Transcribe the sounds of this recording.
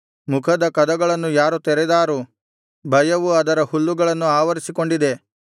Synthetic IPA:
mukʰɐd̪ɐkɐd̪ɐɡɐɭɐnːujaːɾut̪ɛɾɛd̪aːɾu | bʱɐjɐʋuɐd̪ɐɾɐhulːuɡɐɭɐnːuaːʋɐɾisiko̞ɳɖid̪e̞

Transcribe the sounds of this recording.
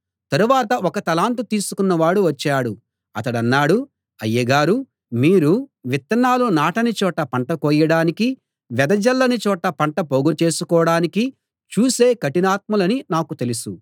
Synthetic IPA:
t̪ɐɾuʋaːt̪ɐʔɔkɐt̪ɐlaːnt̪ut̪iːsukunːɐʋaːɽuʋɐt͡ʃːaːɽu | ɐt̪ɐɽɐnːaːɽu | ɐjɐɡaːɾu | miːɾuʋit̪ːɐnaːlunaːʈɐnit͡ʃɔːʈːɐpɐɳʈɐkɔːjɐɽaːniki | ʋɛd̪ɐd͡ʒɐlːɐnit͡ʃɔːʈɐpɐɳʈɐpoːɡut͡ʃe̞ːsukɔːɽaːniki | t͡ʃuːse̞ːkɐʈinaːt̪̚mɐlɐninaːkut̪e̞lusu

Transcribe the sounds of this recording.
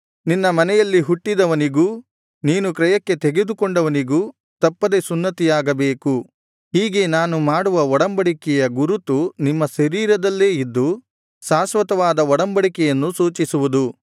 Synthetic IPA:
ninːɐmɐnɛjɐlːiɦuʈːid̪ɐʋɐniɡuː | niːnukɾɐjɐkːe̞t̪eɡe̞d̪ukɔɳɖɐʋɐniɡuː | t̪ɐpːɐd̪e̞sunːɐt̪ijaːɡɐbeːku | ɦiːɡe̞naːnumaːɽuʋɐɔɽɐmbɐɽikɛjɐɡuɾut̪unimːɐʃɐɾiːɾɐd̪ɐlːe̞ːid̪ːu | ʃaːsʋɐt̪ɐʋaːd̪ɐɔɽɐmbɐɽikɛjɐnːusuːt͡ʃisuʋud̪u

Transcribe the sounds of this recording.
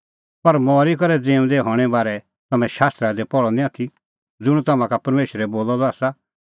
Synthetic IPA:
pɐɾmɔːɾik̬ɔɾɛd͡zẽːũd̪ɛɦɔːɽ̃ɛbaːɾɛ | t̪ɐmɛ̃ʃaːst̪ɾad̪epɔɭɔnĩat̪ʰi | d͡zʊɽ̃ũt̪ɐmãkapɐɾmeːʃɾɛboːlɔd̪ɔaːsa

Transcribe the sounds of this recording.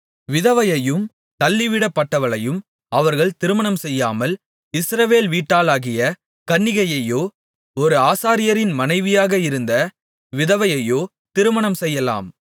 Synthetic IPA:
ʋɪðɐʋɐjɐjɯm | t̪ɐlːɪʋɪɽɐpːɐʈːɐʋɐɭɐjɯm | ɐʋɐɾɣɐɭt̪ɪɾɯmɐɳɐmsɛjːaːmɐl | ɪsɾɐʋeːlʋiːʈːaːlaːɣɪjɐ | kɐnːɪɣɐjɐjoː | ɔɾɯaːsaːɾɪjɐɾɪnmɐnɐɪʋɪjaːɣɐɪɾɯnd̪ɐ | ʋɪðɐʋɐjɐjoː | t̪ɪɾɯmɐɳɐmsɛjːɐla̰ːm

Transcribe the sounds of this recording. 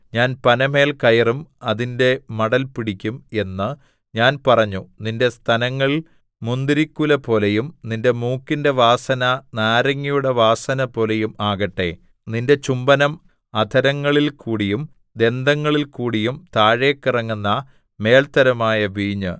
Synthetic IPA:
ɲaːnpɐnɐme̞ːlkɐjɐrumɐðinde̞mɐɽɐlpiɽikʲːume̞nːɨ | ɲaːnpɐrɐɲːuninde̞st̪ʰɐnɐŋːɐɭ | mund̪iɾikːulɐpo̞ːlejumninde̞muːkːinde̞ʋaːsɐnɐnaːɾɐŋːijuɽeʋaːsɐnɐpo̞ːlejumaːɣɐʈːe̞ | ninde̞t͡ɕumbɐnɐm | ɐd̪ʰʱɐɾɐŋːɐɭilkʰuːɽijum | d̪e̞nd̪ɐŋːɐɭilkuːɽijumt̪aːɻe̞ːkːirɐŋːunːɐ | me̞ːɭt̪ɐɾɐmaːjɐʋiːɲɨ̰

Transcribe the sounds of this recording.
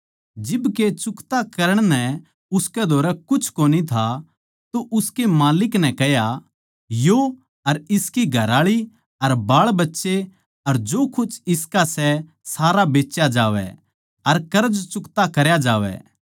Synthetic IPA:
d͡ʒɪbket͡ʃʊkt̪akɐɾəɽ̃nɛ | ʊskɛd̪ʱoːɾɛkʊt͡ʃʰkoːnit̪ʰa | t̪oʔʊskemaːlɪknɛ̃kɛɦja | jo | ɐɾɪskiɡʱɐɾaːɭi | ɐɾbaːɭbɐtːʃe | ɐɾd͡ʒoːkʊt͡ʃʰɪskasɛ | saːɾabeːt͡ʃjad͡ʒaːʋɛ̰ | ɐɾkɐɾəd͡ʒt͡ʃʊkt̪akɐɾjad͡ʒaːʋɛ̰

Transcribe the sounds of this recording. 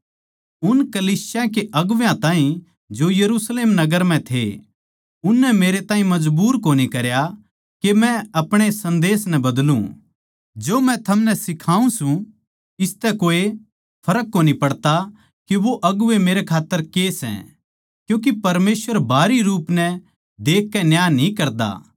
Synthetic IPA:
ʊnkɐliːsjãkeʔɐɡʊʋjãt̪ãːĩ | d͡ʒojɐɾuːsleːmnɐɡəɾmɛ̃t̪ʰḛ | ʊnːɛmeːɾet̪ãːɦĩmɐd͡ʒbuːɾkoːnikɐɾja | kemɛ̃ɐpɽ̃esɐ̃nd̪eːsnɛbɐd̪lṵ̃ | d͡ʒoːmɛ̃t̪ʰɐmnɛsɪkʰaːũsũ | ɪst̪ɛkoːe | pʰɐɾəkːoːnipɐɽt̪a | kiʋoʔɐɡʊʋemeːɾekʰaːt̪ːəɾkesɛ̰̃ | kjũːk̬ipɐɾmeːsʋəɾbʱaːɾiɾuːpnɛ | d̪eːkːɛnjaːnĩkɐɾd̪a̰

